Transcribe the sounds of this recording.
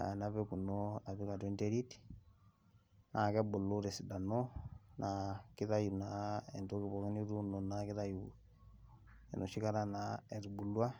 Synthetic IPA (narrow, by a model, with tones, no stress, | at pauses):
a̰˨na˦βɛku˨no˦a˨βi˦ka˨twe˦nde˦ɾi˦ti̥ | na˨kɛ˦bo˨lo˦ɾɛ˨si˨da˨no˦nʔa˨ki˦ða˦ju˨na˨e˨ndo˦ki˦βɔ˨ke˦ni˦ɾu˦no˨naki˦ða˦ju | ḛ˨no˨ʃi˦ka˦ɾa˦na˨e˨ɾu˨bu˨lwa˦